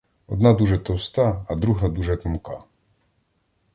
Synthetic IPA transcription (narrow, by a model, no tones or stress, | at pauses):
ɔd̪nad̪uʐɛt̪ɔwst̪aːd̪ɾuɦad̪uʐɛt̪ɔmka̰